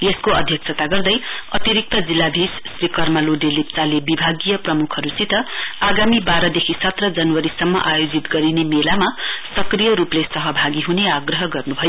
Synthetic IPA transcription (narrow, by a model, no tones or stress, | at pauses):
jeskoʌ̰d̪ʱjʌksʰʌt̪aɡʌrd̪ʌjʌt̪iɾik̚t̪ʌd͡zilːabʱissrikʌrmaloɖelip̚t͡salebibʱaɡijʌprʌmukʰʌɾusit̪ʌaɡamibaɾʌd̪ekʰisʌt̪rʌd͡zʌnwʌɾisʌmːʌ̰ʔajod͡zit̪ɡʌɾinemelamasʌkrijʌɾuplesʌɦʌbʱaɡiɦuneaɡrʌɦʌɡʌrnubʱʌjo